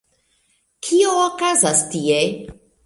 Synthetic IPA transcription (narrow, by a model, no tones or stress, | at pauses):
kʰioːkazastie